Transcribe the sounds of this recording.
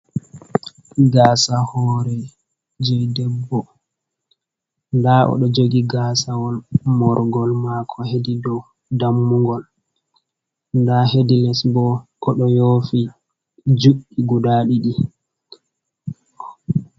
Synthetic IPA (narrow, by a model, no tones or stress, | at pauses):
ɡaːsahɔːɾɛ | d͡ʒɔjdɛbːɔ | ndaʔɔ̰ɗɔd͡ʒoɡiɡaːsawɔlmɔɾɡɔlmakʰɔhedidɔw | damːuŋɡɔl | ndahedilɛsbɔʔɔɗɔjofi | d͡ʒuɓiɡudaɗiɗi